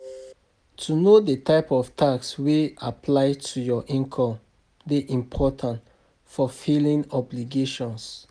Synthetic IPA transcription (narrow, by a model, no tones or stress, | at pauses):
tʰunodetaɪpɔftʰakswiapʰlaɪtʰujɔʔĩŋkʰɔ̃m | deʔĩmpʰɔtʰãnt | fɔfilĩnɔbliɡeʃɔ̃ns